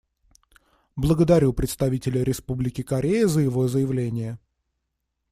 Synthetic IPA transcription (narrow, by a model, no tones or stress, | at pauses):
blˠəɡəd̪ɐɾʲupɾʲɪt̪st̪ɐvʲitʲɪlʲəɾʲɪspublʲɪkʲɪkɐɾʲejɪzəjɪvo̞zəjɪvlʲenʲɪjə